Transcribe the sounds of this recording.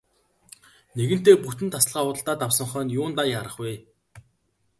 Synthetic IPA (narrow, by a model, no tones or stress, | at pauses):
neɣɘ̆n̥t̪eːput̪ɘ̆nt̪ʰasɮʁaːʊːt̪ə̆ɬt̪aːt̪awsə̆ɴχœːnjʊːnt̪ajaɾə̆χweː